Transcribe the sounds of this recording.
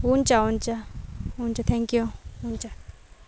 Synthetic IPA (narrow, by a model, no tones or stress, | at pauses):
wunt͡ʃaunt͡ʃaunt͡ʃat̪ʰɛ̃ŋkjuunt͡ʃa